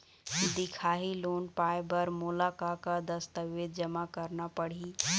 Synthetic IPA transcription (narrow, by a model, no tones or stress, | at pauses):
d̪ɪkʰaːɦiloːnpaːjbɐɾmʊlakakad̪ɐst̪əʋʋeːd̪̚d͡ʒəmakɐɾnapɐɽ̤iː